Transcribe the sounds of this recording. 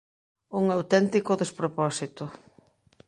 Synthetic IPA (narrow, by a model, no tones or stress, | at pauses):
uŋawt̪ɛnt̪ikʊðespɾopɔsit̪ʊ